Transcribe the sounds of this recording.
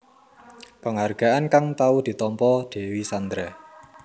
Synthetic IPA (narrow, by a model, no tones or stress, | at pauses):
pəŋarɡ̥a̤ʔankaŋt̪aud̪̥i̤t̪ɔmpɔd̪̥e̤wisand̪ɾɛ